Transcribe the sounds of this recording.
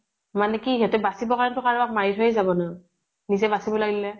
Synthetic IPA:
manɛkiːɦɔtɛbasibɔkaɹɔntʊkaɹak̚maɹitʰojzabɔna | nizɛbasibɔlaɡilɛ

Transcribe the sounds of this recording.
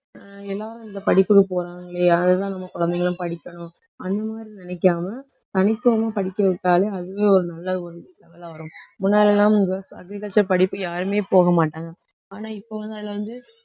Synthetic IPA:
ɛlːaːɾɯɪnd̪ɐpɐɽɪpːɯkːɯpoːɾaːŋɡɐɭeaːðɐt̪ãːnɐmːɐkɔɻɐnd̪ɛŋɡɐɭɯ̃pɐɽɪkːɐɳʊ̃ | ɐnd̪ɐmaːd̪ɾinɪnɛkːaːmɐ | t̪ɐnɪt̪ːɯʋɐmaːpɐɽɪkːɐʋɪʈːaːleɐðɯʋeːɔɾɯnɐlːɐɔɾɯlɛʋɐlɐʋɐɾʊ̃mʊnːaːlɛlːãːʊŋɡɐɐ̰ɡɾɪkɐɭt͡ʃːɐɾpɐɽɪpːɯjaːɾɯmeːpoːɣɐmaːʈːaːŋɡɐ | aːnaːɪpːoːʋɐnd̪aːɪlːɐʋɐnd̪ɯ

